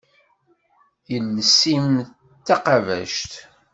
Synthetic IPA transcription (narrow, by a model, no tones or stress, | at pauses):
jəlːəsim | t̪ːaqɑvæ̰ʃt̪